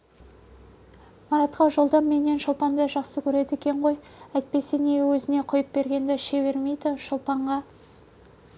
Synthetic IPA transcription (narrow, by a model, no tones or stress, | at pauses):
mɑɾɑt̪qɑʒo̞lˠd̪ɑmːe̞ne̞nʃəlˠpɑnd̪ɑʒɑqsəkʲʰɵɾe̞d̪ɪekʲe̞ɴʁo̞j | æjt̪̚pe̞se̞ne̞wɵzɪne̞qʰʊjəp̚be̞ɾɡʲe̞nd̪ɪʃe̞βe̞ɾme̞jd̪ɪʃəlˠpɑɴʁɑ